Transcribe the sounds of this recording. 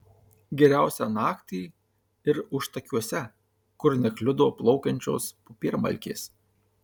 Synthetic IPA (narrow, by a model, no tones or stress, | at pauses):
ɡʲɛɾʲæˑʊsʲæːnɑːkt̪ʲiː | ɪɾʊʃt̪ɐkʲuɔsʲɛ | kʊɾnʲɛklʲʊd̪oːplˠɔʊkʲɛnʲt͡ʃʲo̰ːspʊpʲiːɾmɐ̰lʲkʲḛːs